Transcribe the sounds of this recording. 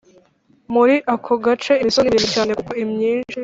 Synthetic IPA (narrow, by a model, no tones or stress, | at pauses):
muɾiʔakʰoɡat͡ʃe̞imisoniβinucaːne̞kukoimɲiːnʃi